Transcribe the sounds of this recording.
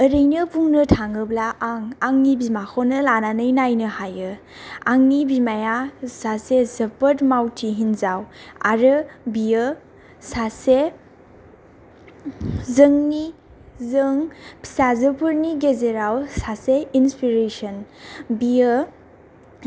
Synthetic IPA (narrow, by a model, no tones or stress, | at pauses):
əɾəjnɯbuŋnɯtʰaŋɯblaʔaŋaŋnibimakʰonɯlananɯjnajnɯhajɯ | aŋnibimajasasezəpətmawtʰiɦinzawa̰ɾɯbiə | sase | zəŋni | zəŋpʰi̥sazəpʰuɾniɡezeɾawsaseinspiɾesənbijə